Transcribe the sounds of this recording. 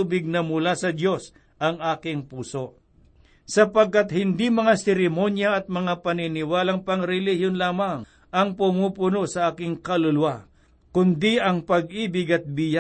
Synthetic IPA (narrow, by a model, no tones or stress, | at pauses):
ubɪɡ̚nɐmʊlasɐd̪jo̞s | ʔɐŋʔaːkɪŋpuːso̞ʔ | sɐpɐɡ̚kːat̪hɪnd̪imɐŋasɛɾɪmo̞njɐɐt̪̚mɐŋapɐnɪnɪwaːlɐŋpɐŋɾɛlihjonlaːmɐŋ | ʔɐŋpʊmupʊnosɐaːkɪŋkɐlʊlʊwa | kʊnd̪iʔɐŋpɐɡ̚ʔiːbɪɡɐt̪̚bija